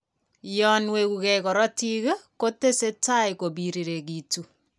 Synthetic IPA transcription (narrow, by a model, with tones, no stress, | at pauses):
jɔnwe˦ku˨kɛikɔ˨ɾɔ˦ti˦ɣe˦ko˦te˦se˦ta˦iko˨biɾi˨ɾe˨k̬itu˨